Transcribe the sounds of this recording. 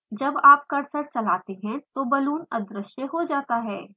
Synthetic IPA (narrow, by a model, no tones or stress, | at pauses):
d͡ʒɐbaːp̚kɐɾsəɾt͡ʃɐlaːt̪eɦɛ̃t̪obɐluːnɐd̪ɾɪʃjəɦod͡ʒaːt̪aɦɛː